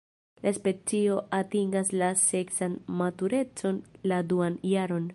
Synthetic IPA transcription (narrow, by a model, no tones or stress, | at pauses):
laspe̞t͡sio̞ʔatiŋɡaslase̞ksanmatuɾe̞t͡so̞nladuanjaɾo̞n